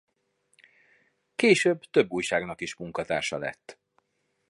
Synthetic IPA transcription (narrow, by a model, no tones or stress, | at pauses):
keːʃøːbt̪ø̞bːuːjʃaːɡnɒkiʃmuŋkɒt̪a̰ːrʃɒ̰lɛ̰t̪ː